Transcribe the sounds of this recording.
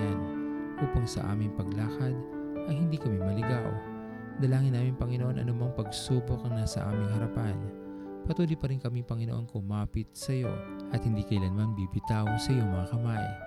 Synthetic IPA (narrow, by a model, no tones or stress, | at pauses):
ɪnʔuːpaŋsɐ̰ʔa̰ːmɪŋpɐɡlaːkɐd̪ | ʔɐjhɪnd̪iːkɐmimɐlɪɡaw | d̪ɐlaːŋɪnːaːmɪŋpɐŋɪnoʔo̞nʔɐ̰nomoŋpɐɡsuːbok̚ŋnasɐʔa̰ːmɪŋɦɐɾɐpan | pɐt̪uːlʊjpɐɾɪnkɐmiŋpɐŋɪnoʔo̞nkʊmaːpɪt̪̚sɐjo̞̰ʔɐt̪̚hɪnd̪iːkɐjlɐnmanbibɪt̪awsɐʔɪjo̞ŋmɐŋakɐmaj